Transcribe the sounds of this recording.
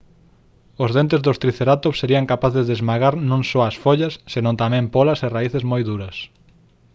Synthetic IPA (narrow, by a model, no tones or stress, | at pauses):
ʊzðent̪ezðʊst̪ɾiθeɾat̪oseɾiɐŋkapaθɪzðezmaɣaɾnõŋsɔɐsfoʎɐsːenõnt̪amɛ̃mpɔlɐsɪraiθɪzmojðuɾɐs